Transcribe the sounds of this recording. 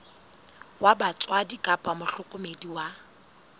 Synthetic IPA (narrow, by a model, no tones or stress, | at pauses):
wabat͡sʼwadikʼapʼamʊɬʊkʼʊmediwa